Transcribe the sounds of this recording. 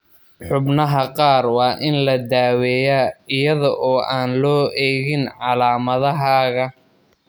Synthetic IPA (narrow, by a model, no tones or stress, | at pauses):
ħʊbnɐɦɐqɑːrwɑːʔɪnlɐd̪aːwɛjaːɪjɐðɔʔɔːʔaːnlɔːʔɛːɣɪnʕɑlaːmɐðɐɦaːɣɐ